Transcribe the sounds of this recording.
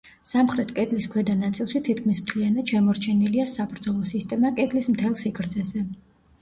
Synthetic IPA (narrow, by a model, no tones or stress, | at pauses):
samχɾɛt̪ʰkʼɛd̪liskʰwɛd̪anat̪sʼilˠʃit̪ʰit̪̚ʰkʰmismt̪ʰlianad̪ʃɛmɔɾt͡ʃʰɛniliasabɾd̪zɔlˠɔsist̪ʼɛmakʼɛd̪lismt̪ʰɛlˠsikʰɾd̪zɛzɛ